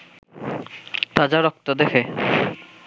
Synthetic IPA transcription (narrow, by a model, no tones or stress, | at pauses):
t̪ad͡ʑaɾɔk̚t̪od̪ekʰe